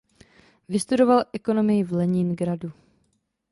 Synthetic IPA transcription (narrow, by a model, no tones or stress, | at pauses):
vɪst̪udo̞valʔɛko̞no̞mɪjɪvlɛɲɪnɡɾadu